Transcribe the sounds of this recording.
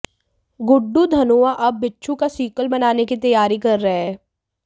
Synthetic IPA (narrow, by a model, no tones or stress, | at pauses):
ɡʊɖːud̪ʱɐnoːaʔɐbːɪtːʃʰũkasiːkəlbɐnaːnekit̪ɐjaːɾikɐɾːɐɦeɦɛː